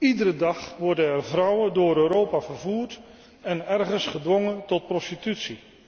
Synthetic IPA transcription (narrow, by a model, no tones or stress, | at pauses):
idəɾədɑχʋɔɹdənɛrvrʌwədʊːɾøːɾowpaːvərvuːrt | ɛnɛrχənsχədʋɔŋəntɔt̚prɔstitytsi